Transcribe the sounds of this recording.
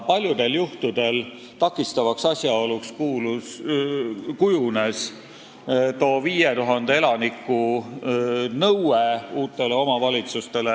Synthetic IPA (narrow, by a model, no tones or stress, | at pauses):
pɑlʲjud̪e̞ljuht̪ud̪̥e̞l | t̪ɑkːˑist̪ɑvɑksɑsʲjɑo̞lukskuːlu | kujune̞s | t̪o̞ːviːjet̪uɦɑnd̪ee̞lɑnikːˑu | nɤweuːt̪ːˑe̞le̞o̞mɑvɑlʲit̪sust̪e̞le